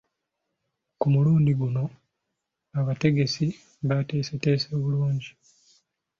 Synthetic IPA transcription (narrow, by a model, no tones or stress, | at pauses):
kumuluːndiɡuno̞ | aβate̞ɡe̞si | βate̞ːsete̞ːseːβuluːɲɟi